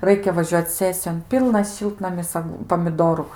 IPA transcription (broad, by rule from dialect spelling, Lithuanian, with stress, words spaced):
ˈrɐɪkʲɛ ʋɐˈʒʲuɔt͡s ˈsʲæːsʲɪjoːn ˈpʲiːlˠnɐs ˈʃʲɪlˠtnɐmʲɪs ˈɐk pɐmʲɪˈdoːrʊ